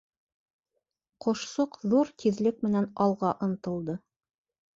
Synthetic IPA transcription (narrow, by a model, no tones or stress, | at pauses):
qŏʃsoqðuɾt̪iðlɘk̚mɘ̆nænɑlˠʁɑʔŏnt̪ɤ̆lˠd̪ɤ